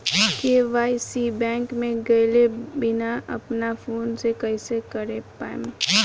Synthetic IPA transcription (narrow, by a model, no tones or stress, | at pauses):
keʋaːisibɛ̃ːŋkmẽɡɐjlebɪnaʔɐ̰pnafʰoːnsekɐisekɐɾepaːm